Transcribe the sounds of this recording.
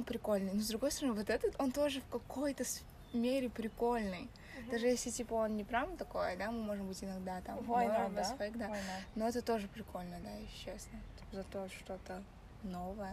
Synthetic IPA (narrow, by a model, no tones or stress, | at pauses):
npɾʲɪko̞lʲnɨjnozd̪ɾʊɡo̞jst̪əɾɐnɨvot̪ɛt̪ət̪o̞nt̪o̞ʐɨfkɐko̞jt̪əs | mʲeɾʲɪpɾʲɪko̞lʲnɨj | d̪aʐɨjesʲlʲɪtʲipəo̞nnʲɪpɾʲavnət̪ɐko̞jəd̪amɨmo̞ʐɨmbɨtʲɪnɐɡd̪at̪amvoabɪssfɐiɡd̪aano̞ɛt̪ət̪o̞ʐɨpɾʲɪko̞lʲnəd̪ajɪɕʊɕːesnət̪zɐt̪oʂt̪o̞t̪ə | no̞vəjə